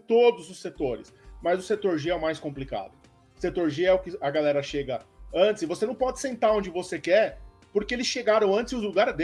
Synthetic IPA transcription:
t̪od̪ʊzʊsːet̪oɾɪ̰smɐzʊset̪oɾʒeɛʊmajskõmplika̰d̪ʊ | ʊ̥set̪oɾʒeɛʊkɪɐɡalɛɾɐʃeɡɐɐ̃nt̪ɪsɪvosenɐ̃w̃pɔd͡ʒɪsẽnt̪aɾõd͡ʒɪvosekɛɾ | poɾkeelɪsʃeɡaɾɐ̃w̃ɐ̃nt͡ʃ̪ɪzʊzluɡaɾɪzd̪e

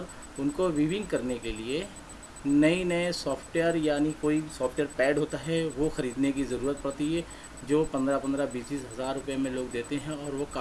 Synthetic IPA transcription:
ɾ | ʊnkoʋiːʋɪ̃ŋɡkɐɾnekelie | nɐinɐesɔːfʰʈʋeəɾjaːnikoːisɔːpʰʈjəɾpɛːɖɦoːt̪aɦɛʋoxɐɾiːd̪nek̬izɐɾuːɾət̪̚pɐɽt̪iɦɛ | d͡ʒoːpɐ̃nd̪ɾapɐ̃nd̪ɾabiːst̪iːsɦɐzaːɾːʊpjemẽloːɡd̪eːt̪eɦɛ̃ɔːɾʋoka

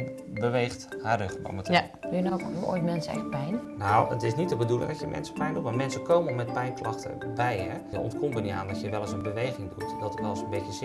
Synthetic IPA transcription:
bəʋeːxtharøxbɔ̰mətʰə | d̥ujənokɦuʔo̰ːjtmɛnsəɛ̰xt̚pɛjnnawə̰tɪsnitəbədulˠɪ̰ŋdɔtjəmʔɛ̰nsə̥pɛjndutmamɛnsəkoːməəmɛt̚pɛjnklɑxtə̰bɛjɛ | əɔ̰ntkʰombənia̰ːndɔtjəʋɛlˠəsənbəʋejɣɪŋdutdɔtətʋɛlˠsənbetjəsɪ

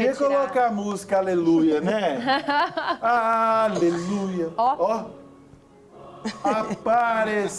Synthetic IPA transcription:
ekolɔkaamuzikɐalelujɐnɛ | alelujɐɔ | paɾes

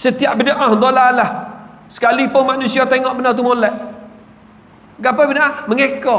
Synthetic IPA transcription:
sət̪iaʔbədəʔãhd̪olalah | sə̥kalipʊnmaʔnusiat̪eŋɔʔbənart̪̬umolɛʔ | ɡapabənaaməŋekɔ

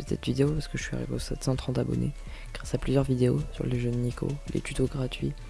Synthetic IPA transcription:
ɛt̪sɛ̰t̪vid̪eopaʁsə̥kəʒəsɥia̰ʁḭveosɛt̪sɑ̃t̪χɑ̃t̪abɔ̰nḛ | ɡ̥ʁasaplyzjœʁvid̪eosyʁleʒənːikʰo̰lʔḛt̪yt̪oɡʁat̪ɥi

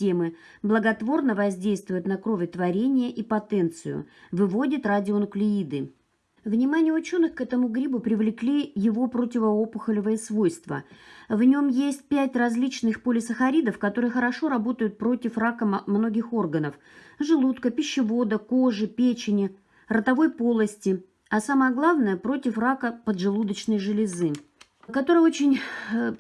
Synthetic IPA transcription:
tʲe̞mɨ | blˠəɡɐt̪vo̞rnəvɐzʲdʲejst̪vʊjʊt̪nɐkɾovʲɪt̪vɐɾʲenʲɪjəʔipɐt̪ɛnt̪sɨjʊ̰vɨvo̞dʲɪt̪radʲɪonʊklʲɪid̪ɨ | vnʲɪmanʲɪjəʊt͡ɕo̞nːɨxkɛt̪əmʊɡɾʲibʊpɾʲɪvlʲɪklʲijɪvo̞pɾotʲɪvəopʊxəlʲɪvəjəsvo̞jst̪və̰vnʲo̞mjesʲt̚ʲpʲætʲrɐzʲlʲit͡ɕnɨxpolʲɪsəxɐɾʲid̪əfkɐt̪o̞ɾɨjəxəɾɐʂo̞ɾɐbo̞t̪əjʊt̪̚pɾo̞tʲɪfrakəmno̞ɡʲɪxo̞rɡənəf | ʐɨlˠut̪kəpʲɪɕːɪvo̞d̪əko̞ʐɨpʲet͡ɕɪnʲɪ | rət̪ɐvo̞jpo̞lˠəsʲtʲɪ | asaməjəɡlˠavnəjəpɾo̞tʲɪfrakəpəd̪ʐɨlˠud̪ət͡ɕnəjʐɨlʲɪzɨ | kɐt̪o̞ɾɨjəot͡ɕɪnʲ

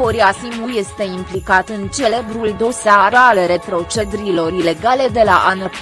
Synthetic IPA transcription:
oɾiasimuje̞st̪e̞implikat̪ɨnt͡ʃe̞le̞bɾuld̪o̞seaɾaleɾe̞pɾo̞t͡ʃe̞d̪ɾilo̞ɾile̞ɡale̞d̪e̞la̰ʔana

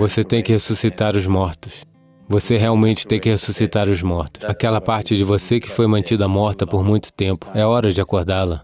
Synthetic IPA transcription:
voset̪ẽj̃kɪhesusit̪aɾʊzmɔɾt̪ʊs | voseɦeawmẽnt͡ʃɪ̥t̪ẽj̃kɪhesusit̪aɾʊzmɔɾt̪ʊ̥sakɛlɐpaɾt͡ʃɪd͡ʒɪvosekɪ̥fojmɐ̃nt͡ʃid̪ɐmɔɾt̪ɐpoɾmũj̃t̪ʊ̥t̪ẽmpʊ̥ɛɔɾɐd͡ʒɪakoɾd̪alɐ

